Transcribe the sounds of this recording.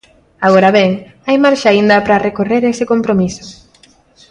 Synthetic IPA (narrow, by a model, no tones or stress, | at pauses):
aɣoɾaβeŋ | ajmaɾʃaind̪ɐpɾɐrekoreɾesɪkompɾomisʊ̥